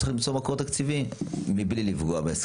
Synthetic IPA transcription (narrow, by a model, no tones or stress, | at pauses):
aχlimt͡somakoʁt̪akt͡sivimiblilivɡoabees